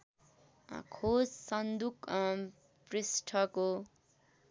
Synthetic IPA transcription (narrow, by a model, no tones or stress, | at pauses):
kʰossʌnd̪uk | prisʈʰʌko